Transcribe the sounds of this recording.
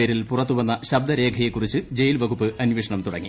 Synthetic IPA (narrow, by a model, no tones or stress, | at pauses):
eːɾilpurɐt̪ːuʋɐnːɐɕɐb̚d̪ɐɾe̞ːɡʱɐjekːurit͡ɕːɨd͡ʑe̞jilʋɐɣupːɨʔɐnʋiʂɐɳɐmt̪uɽɐ̰ŋːi